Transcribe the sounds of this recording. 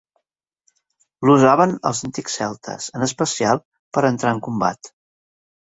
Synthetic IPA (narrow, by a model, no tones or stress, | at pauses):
luzaβənə̰lˠzənt̪iksɛlˠt̪ʰə̰z̥ənəspəsialˠ | pəɾənt̪ɾaəŋkumba̰t̪